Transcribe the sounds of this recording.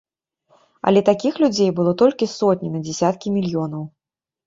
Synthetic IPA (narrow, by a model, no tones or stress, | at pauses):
ɐ̰lʲɛt̪akʲixlʲud͡zʲejbɨlˠɔt̪ɔlʲkʲisɔt̪̚ʲnʲinɐd͡zʲɛsʲat̪kʲimʲilʲjɔnɐw